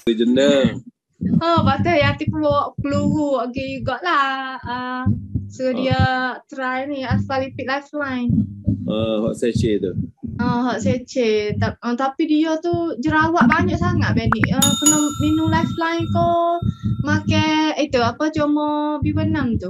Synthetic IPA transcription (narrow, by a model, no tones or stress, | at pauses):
id͡ʒənə | ɔbat̪əjat̪ipuɔwɔʔkəluɾuɔʔɡijuɡɔʔlahə | suədiat̪ɾajniaalipiʔ̚lajflajnəɦɔ̰ʔset͡ʃet̪uʔəɦɔʔset͡ʃet̪aət̪apidiot̪ud͡ʒəɾawaʔbaɲaʔsaŋaʔbɛnḭʔəkənəminulajflajnt̪ɔ | makɛit̪uapət͡ʃomɔbibənaŋt̪u